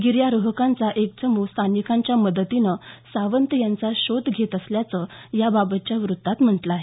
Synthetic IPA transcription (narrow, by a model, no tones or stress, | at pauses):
ɡiɾjaɾəɦəkãnt͡saʔek̚t͡səmust̪ʰanikãɲt͡ɕjaməd̪ət̪inəsaʋənt̪əjant͡saɕod̪ɡʱet̪əsljat͡səjababət̪̚t͡ɕjaʋɾut̪ːat̪m̤əʈlaːɦe